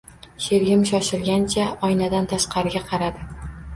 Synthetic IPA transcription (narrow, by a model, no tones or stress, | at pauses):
ʃeɾɡʲɪmʃɒʃɪlɡʲant͡ʃʰaɒjnad̪ant̪ʰaʃqɑɾɪɡʲaqʰɑɾad̪ɪ